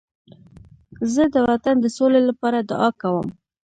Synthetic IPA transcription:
zəd̪əwat̪and̪əsolelapɑɾad̪ʊɑkawə̰m

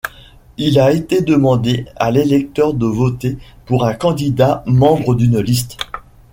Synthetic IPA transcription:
ilaet̪ed̪əmɑ̃d̪ealelɛk̚t̪œʁd̪əvot̪epuʁɛ̃kɑ̃d̪id̪amɑ̃bʁəd̪ynlis̬t̪

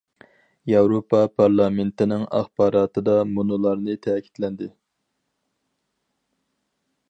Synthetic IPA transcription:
jɑwɾopʰɑpʰɑɾlˠɑment̪ɪnɪŋɑ̰χbɑːɾɑːt̪ʰɨd̪ɑmunulˠɑɾnɨt̪ʰɛːkʲʰi̥t̪lɛnd̪ɪ

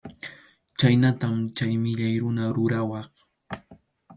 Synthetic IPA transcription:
t͡ʃajnat̪amt͡ʃajmɪʎajɾʊnaɾʊɾawɑχ

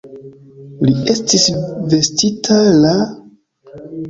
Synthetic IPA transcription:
lie̞stisve̞stitʰala

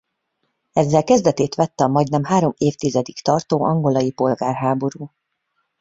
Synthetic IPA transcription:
ɛzːɛlkɛzd̪ɛt̪eːt̪ʋɛt̪ːɛɒmɒɟnɛmɦaːɾo̞meːft̪izɛd̪ikt̪ɒrt̪oːʔɒŋɡo̞lɒjipo̞lɡaːrɦaːbo̞ɾuː

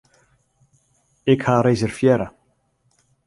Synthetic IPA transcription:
ɪkhaɾejsɪɾ̥fjɛːɾa

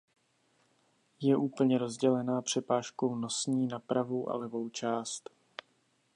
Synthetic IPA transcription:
jɛʔuːpl̩ɲɛɾo̞zɟɛlɛnaːpr̝̥ɛpaːʃko̞wno̞sɲiːnapɾavo̞wʔa̰lɛvo̞wt͡ʃaːst̪

